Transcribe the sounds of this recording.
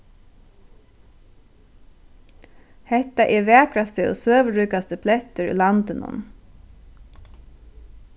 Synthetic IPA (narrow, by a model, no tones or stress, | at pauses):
hɛht̪ːaʔɛɹʋɛæːkɾast̪əo̰ːsøːʋəɹyːkast̪əpʰlɛht̪ʏɹʏ̰lant̪ɪnʊ̰n